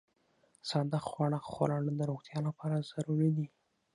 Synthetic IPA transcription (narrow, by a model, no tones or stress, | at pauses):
sɑd̪axxwɑɳaxo̰lɑɽəd̪əɾoxt̪jɑlapɑɾazaɾuɾid̪i